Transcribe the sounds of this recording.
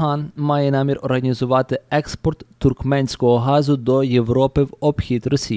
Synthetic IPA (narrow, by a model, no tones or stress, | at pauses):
ɦɑnmɑjɛnɑmʲirɔɾɦɐnʲizʊʋɑt̪ɪɛkspɔrt̪ːʊrkmɛnʲsʲkɔɦɔɦɑzʊd̪ɔjewɾɔpɪwɔbxʲit̪ɾɔsʲi